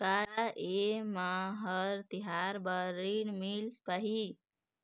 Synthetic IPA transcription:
kaɾaʔemaɦəɾt̪iɦaɾbəɾinmilp̪əɦi

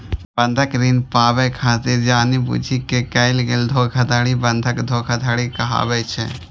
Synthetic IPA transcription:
bə̃nd̪ʱəkɾinpaːbɛkʰaːt̪ɪɾd͡ʒaːnibṵd͡ʒʱikekɐɪlɡeːld̪ʱoːkʰɐd̪aːɽibə̃nd̪ʱəkd̪ʱoːkʰɐd̪ʱaːɽikɐɦa̰ːbɛt͡ʃʰḛ

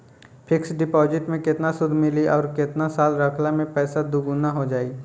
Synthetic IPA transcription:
pʰɪksɖɪpɔːzɪʈmẽkɪt̪nasʊd̪ʱmɪliʔɔːɾkɪt̪nasaːlɾɐkʰlamẽpɛːsad̪ʊɡunaɦod͡ʒaːi

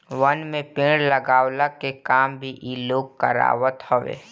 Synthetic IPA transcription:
ʋənmẽpɪ̃ːɽləɡaːwlakekaːmbʱiʔiloːɡkəɾa̰ːʋət̪hoʋḛː

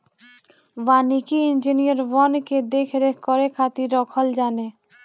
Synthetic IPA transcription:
banikiind͡ʑinijaɾwɔnked̪ekʰɾekɔɾekʰat̪iɾɔkʰɔld͡ʒane

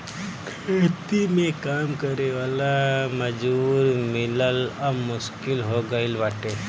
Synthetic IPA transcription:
et̪imẽkaːmkɐɾeʋaːlaməd͡ʒuːɾmɪlələːʊʃkɪlɦoɡəɪlʋaːʈe

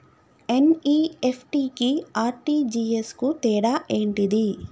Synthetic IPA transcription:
eniːepʰʈikiaːɾʈiːd͡ʒieskut̪ɛːɽaʔeːɳʈid̪i

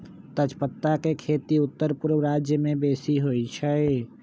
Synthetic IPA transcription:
t̪ət͡ʃpət̪ːakekʰeːt̪iʊt̪ːəɾpuɾwɾad͡ʒjəmẽbeːsiɦoit͡ʃʰəe

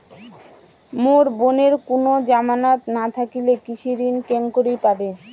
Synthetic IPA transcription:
moɾboneɾkonod͡ʑamanat̪nat̪ʰakilekit͡ɕʰiɾinkeŋkoɾijpabe

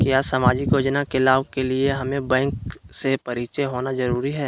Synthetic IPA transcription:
kjaːsamaːd͡ʒɪkjoːd͡ʒnakelaːʋkelieɦɐmẽbɛ̃ːŋksepɐɾiːt͡ʃeɦoːnazɐɾuːɾiɦɛː

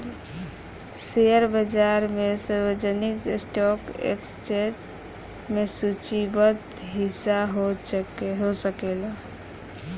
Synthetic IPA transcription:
seəɾbəd͡ʒaɾmesəɾbəd͡ʒəniksʈɔkḛkst͡ʃeʈ | mesut͡ʃibət̪ | ɦisaɦo | ɦosəkela

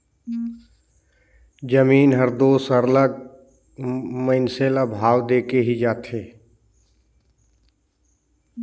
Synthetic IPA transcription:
d͡ʒəmiːnɦəɾd̪oːsəɾləɡ̚ | mə̃ɪnselabʱaːwd̪eːkeɦid͡ʒaːt̪ɦeː

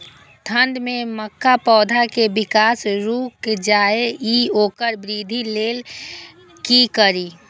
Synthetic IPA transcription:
t̪ʰənɖ̪mẽməkːapɔːd̪ʱakebɪkaːsɾuːkd͡ʒaːeioːkəɾbɾiːd̪ʱileːl | kikəɾiː

